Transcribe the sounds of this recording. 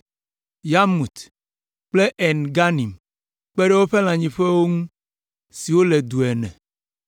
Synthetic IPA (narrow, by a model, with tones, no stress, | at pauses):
ja˦mu˨t̪ | k͡ple˦ʔɛ˨nɡa˦nĩ˨m | k͡pe˦ɖe˦wo˦ɸe˦l̃ã˨ɲĩ˨ɸe˦wo˦ŋũ˦ | si˨wo˦le˨d̪u˨ɛ˨nɛ̰̃˨